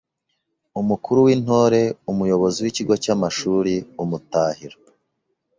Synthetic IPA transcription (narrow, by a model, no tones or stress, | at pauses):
umukuɾuwiːn̥ho̞ːɾe̞umujo̞βo̞ziwiciɡo̞camaʃuːɾiumutaːhiɾo